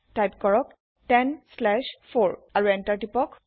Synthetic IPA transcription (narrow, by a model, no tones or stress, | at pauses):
tajpkɔɹɔk̚ | tɛnslɛʃpʰoɹaɹuɛntaɹdipɔk